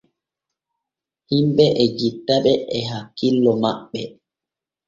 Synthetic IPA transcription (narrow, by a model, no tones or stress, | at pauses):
himɓɛʔɛd͡ʒitːaɓɛʔɛɦakːilːɔmaɓːɛ